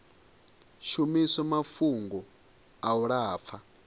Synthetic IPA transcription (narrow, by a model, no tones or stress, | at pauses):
ʃumisɛmafuŋɡɔ | auɺaːp̪fʰa